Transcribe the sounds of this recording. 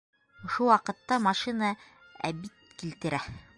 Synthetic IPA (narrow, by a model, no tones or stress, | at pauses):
ŏʃuwɑqɤ̆t̪ːɑmɑʃinɑ | æ̰bit̪kilt̪ɘ̆ɾæ